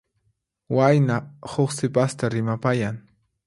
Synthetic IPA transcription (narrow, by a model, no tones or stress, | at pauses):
wajnahoχsɪpast̪aɾɪmapajaŋ